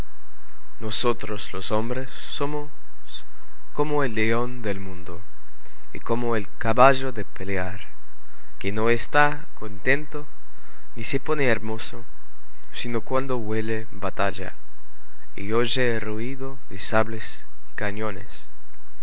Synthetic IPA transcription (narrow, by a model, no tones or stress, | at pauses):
nosot̪ɾoslosombɾesːomo | s | komoelːeond̪elmũnd̪o | ḭkomoelkaβaʒoðepeleaɾ | kenoest̪a | kont̪ẽnt̪o | niseponeeɾmoso | sinokwand̪oβwele | bat̪aʝa̰ | ḭoʒeruiðoðesaβles | i̥kaɲonḛs